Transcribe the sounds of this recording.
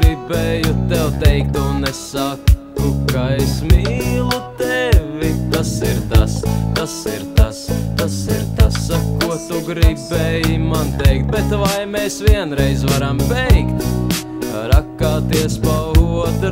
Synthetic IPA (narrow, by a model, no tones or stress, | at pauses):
ɾibɛjut̪ɛwt̪ɛjk̚t̪unːɛsakː | ukaesmiːlˠut̪ɛvit̪asiɾt̪ast̪asiɾt̪ast̪asiɾt̪asːakuɔt̪uɡɾibeːjimant̪ɛjk̚t̪̚bɛt̪vajmeːsviɛnɾɛjzvaɾambɛjkt̪ | kaɾakːaːt̪iɛspawɦuɔt̪